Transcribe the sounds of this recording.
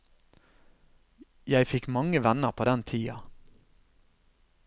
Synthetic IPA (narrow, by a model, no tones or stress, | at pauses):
jæɪfɪkmɑŋəʋɛnəʁpʰoːd̪ɛnt̪ʰiːɑ